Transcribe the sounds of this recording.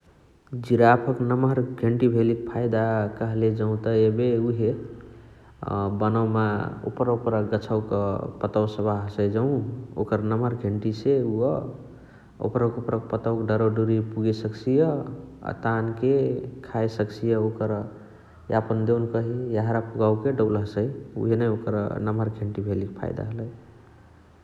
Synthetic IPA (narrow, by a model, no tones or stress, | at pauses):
d͡ʒiɾapʰəknəməɾɡʱeɳʈibʱelikpʰajd̪akəɦled͡ʒəũt̪əebeuɦe | bənawmao̰pɾupɾəɡət͡ʃʰawkpət̪əwsəbaɦsəjd͡ʒəũo̰kəɾnəməɾɡʱeɳʈiseuɔ | o̰pɾəkopɾək̚pət̪əwkɖəɾoɖuɾipuɡesəkt͡ʃʰijə̰t̪ankekʰajsəkt͡ʃʰijəokəɾ | japənd̪ewnkəɦijaɦɾapuɡauwkeɖəblɦəsəjṵɦenəjokəɾnəməɾɡʱeɳʈibʱelikpʰa̰jd̪a̰ɦələj